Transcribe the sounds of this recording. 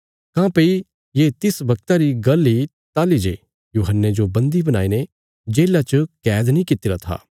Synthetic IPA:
kãːpəi | jeːt̪ɪsbɐk̚t̪aɾiɡɐlːit̪aːlid͡ʒe | juːɦənːed͡ʒobɐ̃nd̪ibɐnaːine | d͡ʒeːlat͡ʃəkɛːd̪nĩkɪt̪ɪɾat̪ʰa̰ː

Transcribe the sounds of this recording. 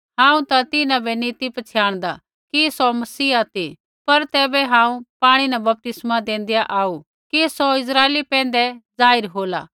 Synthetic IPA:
ɦãːũt̪at̪ɪnãbɛniːt̪ipɐt͡ʃʰjaːɽ̃d̪a̰ | kisomɐsiːat̪i | pɐɾt̪ɛːbɛɦãːũpaːɽ̃inɐbɐp̚t̪ɪsmãd̪ẽːnd̪jaʔaːu | kisoɪs̬ɾaːeːlipɛ̃ːnd̪ɛd͡zaːɪɾɦoːla̰ː

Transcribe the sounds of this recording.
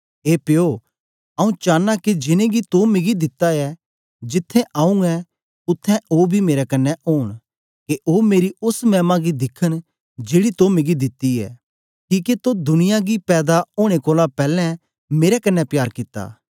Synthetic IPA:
ɦeːpeoː | ɐũt͡ʃaːnːaked͡ʒɪnẽɡit̪omɪɡid̪ɪt̪ːaɛ | d͡ʒɪt̪ʰːɛ̃ʔãːũɛ | ʊt̪ʰːɛ̃ʔoːbʱimeːɾɛkɐnːɛʔoːɽ̃ | keʔoːmeːɾiʊsmɛːmãɡid̪ɪkʰəñ | d͡ʒeːɽit̪omɪɡid̪ɪt̪ːiɛ̰ː | kĩːket̪od̪ʊnɪjaɡipɛːd̪aoːɽ̃ekoːlãpɛːlɛ̃ | meːɾɛkɐnːɛpjaːɾkɪt̪ːa̰ː

